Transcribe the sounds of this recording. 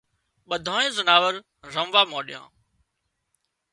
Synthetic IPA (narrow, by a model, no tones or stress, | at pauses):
ɓəd̪ʱãːẽːzənaːʋəɾ | ɾəmʋaːmaːɗɪjã̰ː